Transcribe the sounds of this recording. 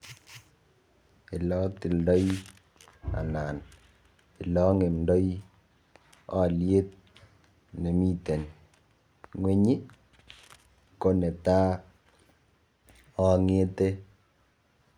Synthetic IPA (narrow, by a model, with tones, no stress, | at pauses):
i˨lɔ˦ti˨ldɔ˦j | a̰˨na˨n | i˨lɔ˦ŋe˨mdɔ˦j | ɔ˦˨lje˦t̚ | ne˨mi˦te˨n | ŋwe˦ɲi˦ | ko˦ne˨ta˦ | ɔ˦ŋe˦te˦